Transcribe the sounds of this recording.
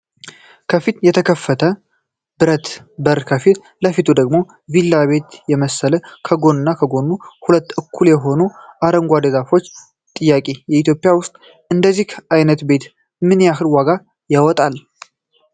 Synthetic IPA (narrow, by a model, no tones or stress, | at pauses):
kʰəfit̪jɛt̪ʰəkʰəfːət̪ʰə | bɨɾət̪ | bəɾkʰəfit̪ | ləfit̪ʰud̪əɡmo̞ | vilːaβe̞t̪jɛməsːələkʰəɡo̞nɨnːakʰəɡo̞nːuhulət̪ːʔɨkʰːuljɛɦo̞nuʔaɾəŋɡʷad̪əɡafo̞t͡ʃː | t̪ʼɨjːakʼejɛit̪ʰjopʼɪjawʊst̪ʼ | ʔɨnd̪əzːihʔajnət̪be̞t̪ | mɨnjaɦɨlwaɡa | jawɔt̪ʼal